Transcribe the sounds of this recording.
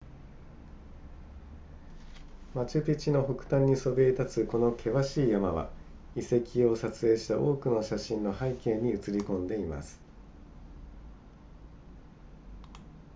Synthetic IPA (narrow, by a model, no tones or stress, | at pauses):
mat͡ɕɨpʲit͡ɕino̞ɦo̞kɯ̟̥t̪ãɲ̟ːiso̞beit̪at͡sɨko̞no̞kʰe̞βaɕiːjamaβa̰ | ise̞kʲio̞sat͡sɨe̞ːɕi̥t̪aʔo̞ːkɯ̟no̞ɕaɕĩnno̞haike̞ːɲ̟iɯ̟t͡sɨɾʲikõ̞nd̪e̞ima̰sɨ̥